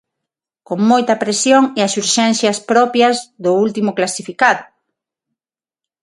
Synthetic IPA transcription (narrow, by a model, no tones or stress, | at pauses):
koŋmojt̪ɐpɾesjoŋeɐsuɾʃɛnθjɐspɾɔpjɐzðʊult̪imʊklasifikaðʊ